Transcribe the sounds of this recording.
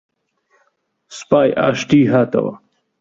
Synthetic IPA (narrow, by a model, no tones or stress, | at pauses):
spaːjʔa̰ːʂʈiːɦaːt̪ɐ̰wa̰